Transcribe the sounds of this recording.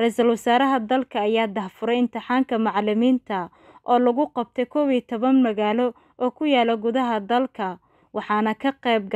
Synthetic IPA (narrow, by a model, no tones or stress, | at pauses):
rɛsɐlwɐsaːɾɐɦɐd̪ɐlkʰɐːjaːd̪ɐhfʊɾɛjɪnt̪ʰɪħɑːŋkʰɐmɑʕlɪmiːnt̪ʰɐ | ʔɔːlɐɣʊqɑb̚t̪ʰɛjkʰɔwiːt̪ʰɔβɐnmɐɣaːlɔ | ɔːkʰʊjaːlɔɡʊðɐɦɐd̪ɐlkʰɐ | wɑħɑːnɐkʰɐqɛjb̚ɡ